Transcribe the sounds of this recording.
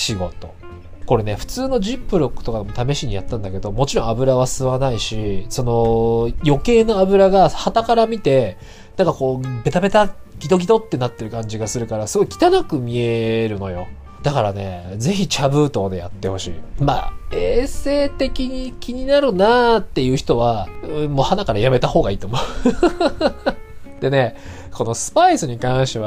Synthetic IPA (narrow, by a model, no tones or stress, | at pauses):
ɕiɡo̞t̪o̞̰ | ko̞ɾe̞ne̞ɸɯ̟̥t͡sɨːno̞d͡ʑipːɯ̟ɾo̞kːɯ̟̥t̪o̞kad̪emot̪ame̞ɕiɲ̟ijat̪ːãnd̪ake̞d̪o̞mo̞t͡ɕiɾõ̞abɯ̟ɾaβasɨβanaiɕiso̞no̞jo̞ke̞ːnoabɯ̟ɾaɡahat̪akaɾamʲit̪e̞ | nãŋkako̞ːbe̞t̪abe̞t̪aɡ̥ʲit̪o̞ɡʲit̪o̞t̪ːe̞nat̪ːe̞ɾɯ̟kãɲ̟d͡ʑiɡasɨɾɯ̟kaɾasɨɡo̞ikʲi̥t̪anakɯ̟mʲie̞ɾɯ̟no̞̰jo̞̰ | d̪̥akaɾane̞̰d͡ze̞çit͡ɕabɯ̟ːt̪o̞ːd̪e̞ja̰t̪ːe̞ho̞ɕḭːma̰ːeːse̞ːt̪e̞kʲiɲ̟ikʲiɲ̟inaɾɯ̟nat̪ːe̞jɯ̟ːçi̥t̪o̞βamo̞ːhanakaɾajame̞t̪aho̞ːɡaiːt̪o̞mo̞ | d̪̥e̞ne̞ | ko̞no̞sɨ̥paisɨɲ̟ikãɰ̃ɕt̪e̞βa